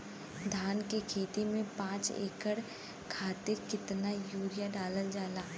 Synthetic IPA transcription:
d̪ʱaːnkekʰeːt̪imẽpãːt͡ʃḛːkəɽ | kʰaːt̪ɪɾkɪt̪najuːɾɪjaɖaːləld͡ʒaːlaː

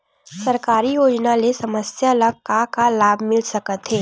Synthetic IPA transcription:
sɐɾkaːɾijoːd͡ʒnalesɐməsjaləɡ̚kakalaːbʱmɪlsɐkət̪ɦeː

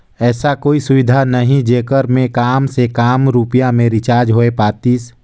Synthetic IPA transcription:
ɛːsakoːisʊʋɪd̪ʱanəɦĩd͡ʒeːkəɾmẽkaːmsekaːmɾuːpijamẽɾɪt͡ʃaːɾd͡ʒɦoːepaːt̪iːs

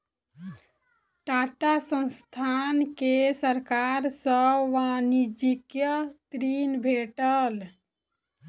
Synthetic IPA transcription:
ʈaʈasə̃nst̪ʰankesəɾkaɾsəʋanid͡ʒikjət̪ɾinbʱeʈəl

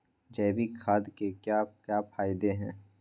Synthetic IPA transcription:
d͡ʒɛːbʱikʰaːd̪kekjaːkjaːpʰaːɪd̪eɦɛ̃ː

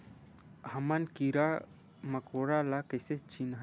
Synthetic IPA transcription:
hɐmankiɾa | mɐkoɽalakəjset͡ʃinɦ

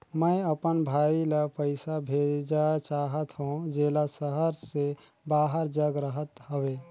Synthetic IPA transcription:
mə̃jəpənbʱaːilapəɪsabʱeːd͡ʒat͡ʃaːɦət̪ɦũd͡ʒeːlasəɦəɾse | baːɦəɾd͡ʒəɡɾəɦət̪ɦəweː

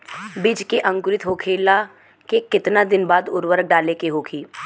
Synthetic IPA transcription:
bid͡ʒkeʔɐ̃ŋkʊɾɪt̪ɦoːkʰeːla | kekɪt̪nad̪ɪnbaːd̪ʊɾwəɾək̚ɖaːlekeɦoːkʰiː

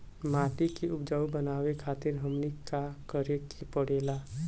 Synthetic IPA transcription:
maːʈ̪ikiʊpd͡ʒaːubənaːwekʰaːt̪ɪɾɦəmnikakəɾekepəɽ̤eːlaː

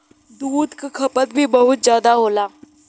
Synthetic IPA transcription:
d̪uːd̪kakʰɐpət̪̚bʱibɐɦʊt̪̚zjaːd̪aɦoːlaː

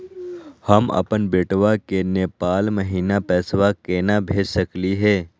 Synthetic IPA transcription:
həmɐ̰pənbeːʈʋakeneːpaːlməɦiːnapɛːsʋakeːnabʱeːd͡ʒsəkliɦɛː

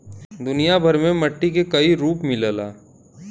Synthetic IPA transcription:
d̪ʊnijabʱɐɾmẽmɐʈːik̬ekɐiɾuːpmɪləːla̰ː

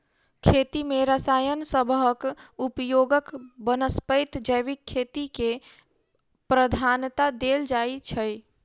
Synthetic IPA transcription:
kʰet̪imeɾəsaːjənsəbʱɦəkupjoɡəkbənəspəɪt̪d͡ʒəjʋikʰːet̪ike | pɾəd̪ʱant̪ad̪eld͡ʒait͡ʃʰəj

